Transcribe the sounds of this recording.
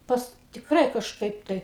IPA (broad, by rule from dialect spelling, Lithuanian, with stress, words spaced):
ˈpɐs tʲɪkˈrɐɪ kɐʃˈkɐɪp ˈtɐɪ